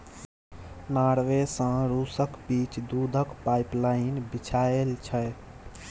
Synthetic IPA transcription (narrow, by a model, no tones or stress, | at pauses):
naɾʋesə̃ɾusəkbiːt͡ʃd̪ud̪ʱəkpaiplainbit͡ʃʰaelt͡ʃʰə